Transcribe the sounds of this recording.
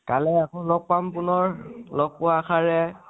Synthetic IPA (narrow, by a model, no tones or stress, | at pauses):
kalɛakɔlɔɡ̚pampʊnɔɹlɔk̚pʊwakʰaɹɛ